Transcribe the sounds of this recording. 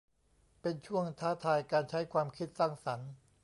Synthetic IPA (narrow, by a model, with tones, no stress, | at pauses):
pe˧nt͡ɕʰu˥˩əŋt̪ʰaː˦˥t̪ʰaː˧jkaː˧nt͡ɕʰa˦˥jkʰwaː˧mkʰi˦˥t̪̚saː˥˩ŋsa˩˦n